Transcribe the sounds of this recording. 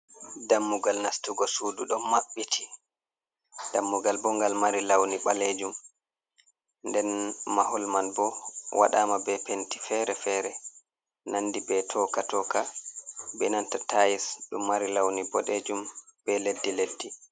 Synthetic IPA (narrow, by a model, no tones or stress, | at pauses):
damːuɡalnastuɡɔsuːduɗɔnmaɓːitʰi̥ | d̥amːuɡalbɔŋɡalmaɾilawniɓaled͡ʒum | ndɛnmahɔlmanbɔwa̰ɗaːmabɛpenti̥fɛɾɛfɛɾɛ | nandibɛtʰɔkatɔka | bɛnantatajisɗumːaɾilawnibɔɗed͡ʒumb̥ɛledːiledːi